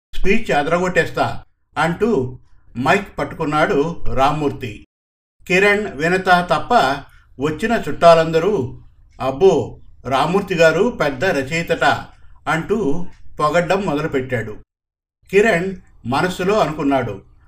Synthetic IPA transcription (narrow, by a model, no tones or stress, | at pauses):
spiːt͡ʃɐd̪ɐɾɐɡoʈːɛːst̪a̰ː | ɐɳʈumɐjkpɐʈːu̥kunːaːɽuɾaːmuːɾt̪ḭ | kiɾeɳʋinɐt̪ɐt̪ɐpːɐ | ʋɐt͡ʃːinɐt͡ʃuʈːaːlɐnd̪ɐɾu | ɐbːoːɾaːmuːɾt̪iɡaːɾupɛd̪ːɐɾɐt͡ʃiːt̪ɐʈɐɐɳʈupɔɡɐɖːɐmːɔd̪ɐlupeʈːaːɽu | kiɾeɳɖmɐnɐsːulo̞ːɐnukunːaːɽu